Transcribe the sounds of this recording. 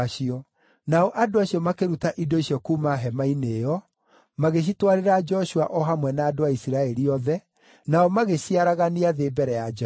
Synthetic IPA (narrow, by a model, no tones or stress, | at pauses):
ʃiɔ | naɔʔadoaɕiɔmakeɾutaʔidoiɕiɔkuːmaɦɛmaineːjɔ | maɣeɕ̬itwaɾeɾad͡ʒɔɕua̰ʔɔɦamwɛnaːdoaisiɾaɛɾiɔðɛ | naɔmaɣeɕiaɾaɣaniaðeːbɛɾɛjad͡ʒ